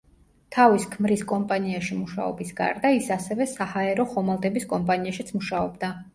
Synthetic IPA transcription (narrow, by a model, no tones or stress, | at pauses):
t̪ʰaviskʰmɾiskʼɔmpʼaniaʃimuʃa̰ɔ̰bisɡa̰ɾd̪aisasɛvɛsahaɛɾɔχɔmalˠt̪ʼɛbiskʼɔmpʼaniaʃit̪sʰmuʃaɔbd̪a